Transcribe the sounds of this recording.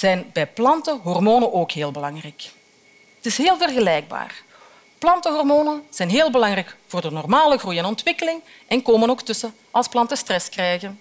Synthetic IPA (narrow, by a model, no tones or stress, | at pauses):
z̥ɛjnbɛjplɑntəɦɔrmoːnənʔoːkɦeːlˠbəlɑŋrɛjk | ətɪsɦeːlˠvərɣəlɛjɡ̚ba̰ːr | plɑntəɦɔrmoːnənz̥ɛjnɦeːlˠbəlɑŋrɛjkvoːrdənɔrmaːləɣrujɛnɔntʋɪkəlɪŋ | ʔɛnkoːmənoːktɵsə | ʔɑlˠsplɑntəstrɛskrɛːjɣən